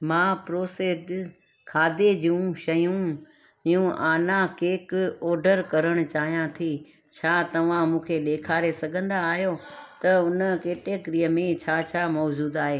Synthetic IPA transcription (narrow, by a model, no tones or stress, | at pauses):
mãːpɾoːseːd | kʰaːd̪ed͡ʑũʃɐjũ | ijũʔaːnãkeːkɔːɾɖəɾkɐɾəɽ̃ʊ̆t͡ɕaːɦijãt̪ʰi | t͡ɕʰaːt̪ɐʋ̤ãmũːkʰeɗeːkʰaːɾesɐɡʱə̃nd̪aːɦijot̪ɐʊnəkeːʈekɾijəmẽt͡ɕʰaːt͡ɕʰaːmɔːd͡ʑuːd̪aːɦeː